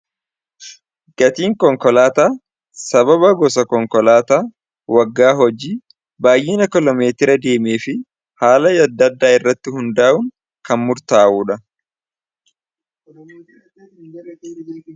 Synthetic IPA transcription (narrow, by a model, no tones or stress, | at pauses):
ɡ̥ɐt̪iːŋkɔŋkɔlaːt̪aː | sɐbɐbɐɡɔsɐkɔŋkɔlaːt̪aː | wɐɡːaːɦɔd͡ʒiː | baːjʔɪnɐkɪlɔme̞ːt̪ɪɾɐd̪e̞ːmeːfɪ | haːlɐjɐd̪ːɐd̪ːaːɪrːɐt̪ːɪhʊnd̪aːʔʊŋ | kɐnmʊɾt̪aːʔuːᶑɐ